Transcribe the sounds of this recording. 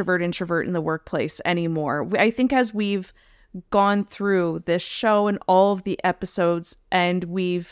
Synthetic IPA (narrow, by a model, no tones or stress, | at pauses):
əvɜ˞ɾɪ̃ntɹ̥ɨvɜ˞ɾɨ̰n̩ðəwɜ˞k̚pʰl̥eɪsɛ̰ɾ̃imɔɹwaɪθɪ̃ŋkɨzwiv̥ | ɡ̥ɔ̃nθɹʉðɪsʃoʊə̃nɔlˠʌvðiʔɛpɨsoʊdz̥ʔɨ̃nwiv̥